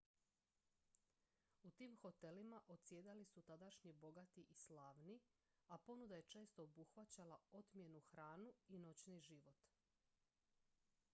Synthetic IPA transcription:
ut̪iːmxo̞t̪e̞limaʔot̪sjeːd̪alisut̪ad̪aʃɲibo̞ɡat̪iʔislaːʋni | apo̞nud̪aje̞t͡ʃe̞ːst̪oobuxʋat͡ɕalao̞t̪mje̞nuxɾaːnuino̞t͡ɕniʒiʋo̞t̪

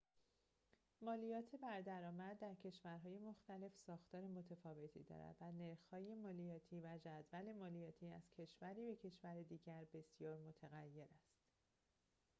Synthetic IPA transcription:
mɒːlijɒːt̪ʰe̞bæɾd̪æɾɒːmæd̪̚d̪æɾcʰe̞ʃvæɾɦɒːje̞moxt̪æle̞fsɒːxt̪ɒːɾemo̞t̪ʰefɒːve̞t̪ʰḭd̪ɒ̰ɾæ̰d̪̥væne̞ɾxhɒːje̞mɒːlijɒːt̪ʰiːvæd͡ʒæd̪væle̞mɒːlijɒːt̪ʰiːæz̥cʰe̞ʃvæɾiːbe̞cʰe̞ʃvæɾed̪iːɟæɾbe̞sjɒːɾmo̞t̪ʰeɣæjːe̞ɾæst̪

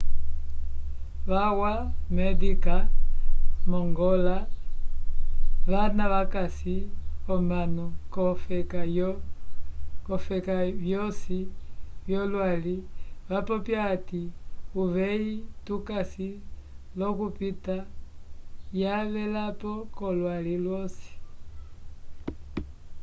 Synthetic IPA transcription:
βawamɛdika | mɔŋɡɔla | βanaβakasiɔmbanukɔfɛka | kɔfɛkaβjɔsiβjɔlwaliβapɔpjaːtiuβɛitukasi | lɔkupita | jaβɛlapɔkɔlwalilwɔsi̥

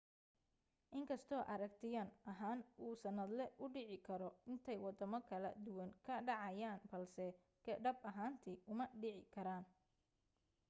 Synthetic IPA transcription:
ʔɪŋkʰɐst̪ʰɔːʔɐɾɐk̚t̪ʰɪjɐnɐɦaːnuːsɐnɐd̪lɛʔʊɖɪʕɪkʰɐɾɔɪnt̪ʰɛjwɑd̪ɐmɐkʰɐlɐ̰d̪ʊwɐŋkʰɐɖɑʕɑjaːnbɐlsɛ | kʰɛɖɐbɐɦaːnt̪ʰiʔʊmɐɖɪʕɪkʰɐɾaːn

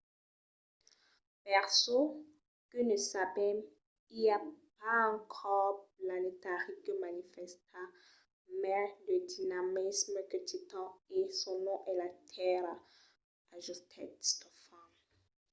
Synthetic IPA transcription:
pɛʁso | kənəsavɛm | iljap̚aɑ̃kʰɔʁplanet̪aʁikəmanifɛst̪ʰa | mɛləd̪inamisməkøt̪it̪ɑ̃esɔ̃nɔ̃ʔɛlat̪ʰɛɾa | aʒust̪ʰɛtst̪ɔfã

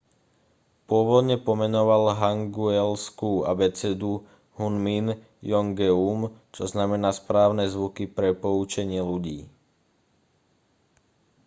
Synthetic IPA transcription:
pʊɔʋɔd̪ɲɛpɔmɛnɔʋalɦaŋɡuɛlskuːa̰bɛt͡sɛd̪u | hunmin | jɔŋɡɛumt͡ʃɔznamɛnaːspɾaːʊnɛzʋukipɾɛpɔut͡ʃɛɲɪɛluɟiː

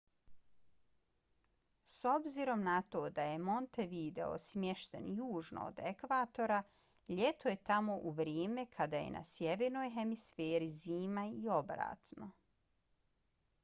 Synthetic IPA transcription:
so̞bziɾo̞mnat̪o̞ːd̪aje̞mo̞nt̪eʋid̪e̞̰o̞̰smje̞ʃt̪e̞̰njuːʒno̰o̰d̪ekʋaːt̪o̞ɾa | ʎe̞t̪oje̞t̪amo̞ʔuʋɾjeːmekʰad̪aje̞̰nʔa̰sjeʋeːɾno̞ːjɦemisfeːɾiziːmaio̞bɾa̰ːt̪no

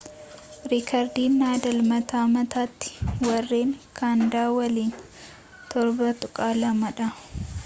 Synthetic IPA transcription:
ɾikʰɐɾd̪iːnːaːd̪ɐlmɐt̪aːmɐt̪aːt̪ːɪ̥wɐrːeːŋkʰaːnd̪aːwɐliːn | t̪ʰɔɾbɐt̪ʼʊkʼaːlɐmɐᶑɐ

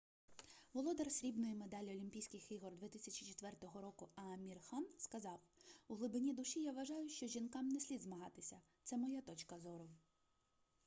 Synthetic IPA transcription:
ʋɔlˠɔd̪ɛrsʲɾʲibnɔjimed̪ɑlʲɔlʲimʲpʲijsʲkɪxiɦɔrd̪ʋʲɛt̪ɪsʲɐt͡ʃi̥t͡ʃɪt̪ʋɛrt̪ɔɦɔɾɔkʊɐmʲirxɑnskɐzɑwuɦlˠɪbɪnʲid̪ʊʃijaʋɐʒɑjʊʃt͡ʃɔʒʲinkɑmnesʲlʲid̪zmɐɦɑt̪ɪsʲɐ | t̪sɛmɔjat̪ɔt͡ʃkɐzɔɾɔw

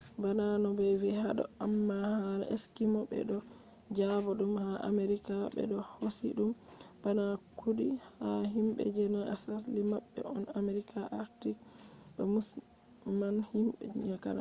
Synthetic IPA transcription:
bananɔbɛvihaɗɔ̰amːahalḛskimɔbɛ̰ɗɔ | d͡ʒabɔɗumhaʔa̰meɾikabɛ̰ɗɔhosḭɗum | b̥anakʰudihaɦimbɛ̰d͡ʒɛnaʔasaslimaɓːɛ̰ɔnameɾikʰaʔaɾtiɗɔmusmanhimɓɛɲaka̰la

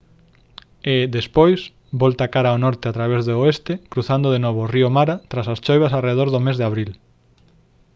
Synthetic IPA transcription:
ɪðespojs | bɔlt̪akaɾaonɔɾt̪eat̪ɾaβezðoest̪ɪkɾuθand̪ʊðenoβ̞oriomaɾat̪ɾasast͡ʃojβɐsareðoɾðʊmezðeaβɾil

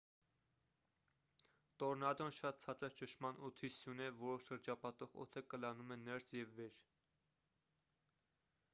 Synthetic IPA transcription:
t̪ɔɾnɑd̪ɔnʃɑt̪̚t͡sʰɑt͡sɑɾt͡ʃəʃmɑnɔt̪ʰisjunɛvɔɾɔʃəɾd͡ʒɑpɑt̪ɔʁɔ̰t̪ʰəkəlɑnumɛnɛɾsjɛvːɛɾ

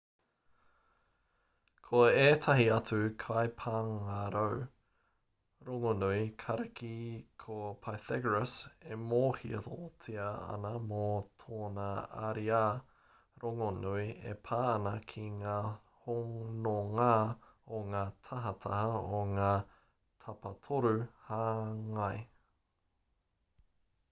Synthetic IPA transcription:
kʰoeːtʰɐɦiɐt͡sʉkʰajpʰaːŋaɾow | ɾoŋonuikʰɐɾɐkʰikʰopʰaθɛɡɹəsemoːhiɐtotʰiɐɐ̰nɐmotʰoːnɐa̰ɾiaː | ɾoŋonuiḛpʰaːɐnɐkʰiŋaː | hoŋnoŋaː | oŋaːtʰɐɦɐt̪ʰɐhɐoŋaː | tʰɐpɐtʰoɾʉhaːŋɐj

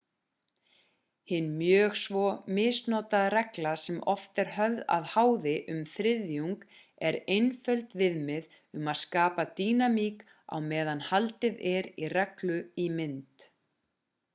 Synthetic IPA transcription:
hɪnːmjœːɣsvɔmɪːsnɔːt̪aðrɛklasɛmʔɔft̪ɛɾ̥ɦœvða̰ðhaːwðɪʔʏmθɾɪðjuŋk | ɛɾejnfœlt̪vɪðmɪð | ʏmaðskaːpat̪iːnamiːk | a̰wmɛːðanhalt̪ɪðɛɾirɛklʏimɪnt̪

